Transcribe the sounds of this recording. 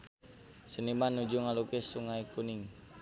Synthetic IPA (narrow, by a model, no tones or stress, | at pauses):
sənimanud͡ʒuŋalukisuŋaikuniŋ